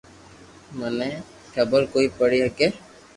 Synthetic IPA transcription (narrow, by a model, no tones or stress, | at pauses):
məne | kʰɐbəɾkoːipəɽiɦɛkeː